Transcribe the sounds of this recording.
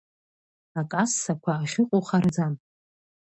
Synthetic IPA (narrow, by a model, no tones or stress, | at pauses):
akʼasːakʷʰaːχʲɪqʼoχard͡zam